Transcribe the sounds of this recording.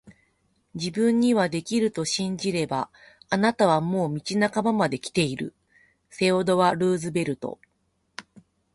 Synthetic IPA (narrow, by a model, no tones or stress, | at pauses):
d͡ʑibɯ̟̃ɲːiβad̪e̞kʲiɾɯ̟t̪o̞ɕĩɲ̟d͡ʑiɾe̞baː | nat̪aβ̞amo̞ːmʲit͡ɕinakamamad̪e̞kʲi̥t̪e̞iɾɯ̟̰ | se̞od̪o̞βaɾɯːzɨbe̞ɾɯ̟t̪o̞̰